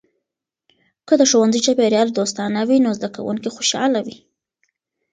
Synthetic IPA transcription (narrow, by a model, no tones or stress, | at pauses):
kəd̪əʃowanzəjt͡ʃapeɾjɑld̪ost̪ɑnawinozd̪aka̰wṵŋkixoʃɑ̰lawi